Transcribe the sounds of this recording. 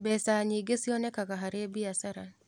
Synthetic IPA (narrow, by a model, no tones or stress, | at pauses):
bɛsaɲiɡesiɔnɛkakaɦaɾebiasaɾan